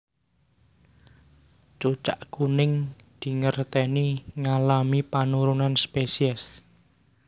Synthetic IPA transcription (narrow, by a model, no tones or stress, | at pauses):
t͡ʃut͡ʃa̰ʔɡ̥unɪŋ | d̪̥i̤ŋərt̪ɛniŋalamipanuɾunanspesiɛs